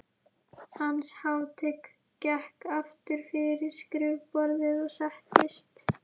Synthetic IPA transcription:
hanːshawt̪ʰɛk | cɛhkaft̪ʏɾ̥fɪɾɪɾ̥skɾɪvpɔɾðɪðɔɣsahcɪst̪

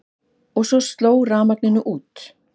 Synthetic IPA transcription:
ɔɣsɔst̪loːwraːmaknɪnʏʔuːt̪

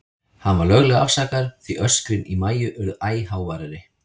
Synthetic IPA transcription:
hanvaɾlœɣlɛɣaafsaːkaɾ̥θviʔœ̥skɾɪnimaːjʏʔœɾðaːjhawvaːɾaɾɪ

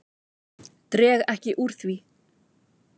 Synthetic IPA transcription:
t̪ɾɛːɣɛhcɪʔuɾ̥θvi

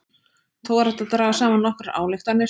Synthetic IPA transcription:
t̪ʰoːwaɾaht̪aðt̪ɾaːvasaːmanːɔhkɾaa̰ːwlɪxt̪anɪ

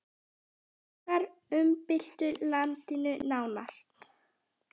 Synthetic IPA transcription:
θaɾʏmpɪl̥t̪ʏlant̪ɪnʏnaːwnal̥t̪

